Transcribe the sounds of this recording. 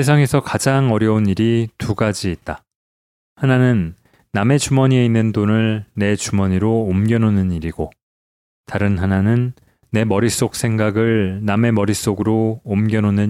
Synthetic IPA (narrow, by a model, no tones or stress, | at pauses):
esʰaŋe̞sʰʌkad͡ʑaŋʌɾjʌuniɾitʰuɡad͡ʑiːt̚t͈a | hananɯnː | ame̞t͡ɕumʌɲie̞inːɯndonɯɭne̞t͡ɕumʌɲiɾoːmɡjʌnonɯniɾiɡo | taɾɯnɦananɯnː | e̞mʌɾis͈ok̚s͈ʰe̞ŋɡaɡɯɭname̞mʌɾis͈oɡɯɾoːmɡjʌnonɯn